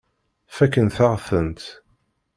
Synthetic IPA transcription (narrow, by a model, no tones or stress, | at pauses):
fækːənθaʁθənt̪